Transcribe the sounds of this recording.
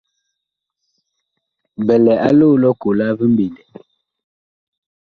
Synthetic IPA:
bɛ˨lɛ˨a̰˦loː˦˨˦lɔ˦ko˨la˦vi˦m̩˦bi˨ndɛ˨

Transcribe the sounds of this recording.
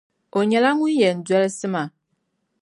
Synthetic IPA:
o˨ɲɛ˨la˦ŋu˦jɛ˨n̩˨dɛ˦lsɨ˦ma˨

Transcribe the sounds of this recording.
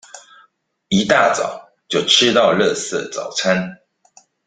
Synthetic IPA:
i˨˦t̪a˥˨t͡sɑ̰˨˩˦ʊ | t͡ɕjo˥˨ʊʈ͡ʂʰɻ̩˥˦t̪ɑ˥˨ʊlɤ˥˨sə̰˥˨t͡sɑ̰˨˩ʊt͡sʰa˦n

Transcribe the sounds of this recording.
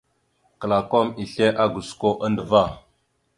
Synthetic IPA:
kə˨la˨ko˦mi˨ɬe˦ʔa˦ɡu˨sko˦ʔa˦ndə˨va˦˨

